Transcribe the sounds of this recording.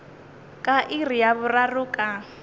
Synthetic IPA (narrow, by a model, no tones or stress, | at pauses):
kʼaʔirijaβʊrarʊːkʼa